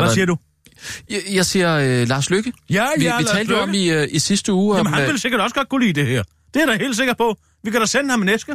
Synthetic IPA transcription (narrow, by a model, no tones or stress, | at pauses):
ʋæsiːɐd̥u | jɑ̈ɪsiɐlɑ̈ːsløɡ̥əjæjæilʰɛ̰ːldəjoɒmiisisd̥əuːmnhænʋe̝lse̝ɡ̥ɐd̥ɒ̽səɡ̥ɒ̽d̥ɡ̥ʰkulḭːd̥e̝hɛ̰ɐ̰ | d̥e̝æɐɾ̥ɑɪhe̝̰ːl̥s̬e̝ɡ̥ɐd̚pʰɒ̽ | ʋikʰæɾ̥ɑsenəhɑmenesɡ̥ə